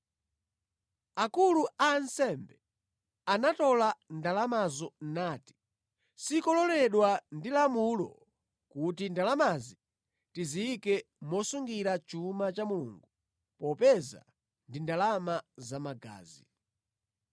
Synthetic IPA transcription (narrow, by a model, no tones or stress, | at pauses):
akuluaːnsɛmbɛ | anatɔlandalamazɔnaːti̥ | sikɔlɔlɛɗwandilamulɔ̰ | kutindalamazi | tiziikɛ | mɔsuŋɡiɾat͡ʃumat͡ʃamulṵːŋɡu | pɔpɛza̰ | ndindalamazamaɡa̰ːzḭ